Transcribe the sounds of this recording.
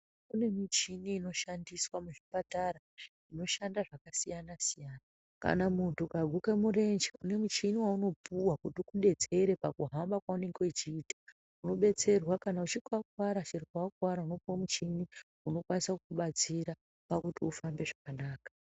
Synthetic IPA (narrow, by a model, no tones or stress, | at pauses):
une̞mit͡ʃiniːno̞ʃandiswamuʐipataɾa | ino̞ʃandaʐakasijanasijaːna | ka̰namuntukaɡʱukemure̞nd͡ʒeune̞mut͡ʃiniwauno̞pʰuwakutikuɗe̞d͡ze̞ɾe̞pakuɦambakwaune̞ŋɡwet͡ʃiːta | uno̞ɓe̞t͡se̞rwakanaut͡ʃikakwaɾat͡ʃirikakwaɾauno̞puamut͡ʃini | uno̞kwanisakukuɓat͡siɾa | pakutiufambe̞ʐakanaːkḁ